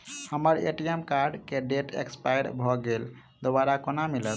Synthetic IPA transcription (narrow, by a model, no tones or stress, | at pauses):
həməɾḛʈiemkaɾɖkeɖeʈḛkspajɽbʱɔɡel | d̪obaɾakonamilət̪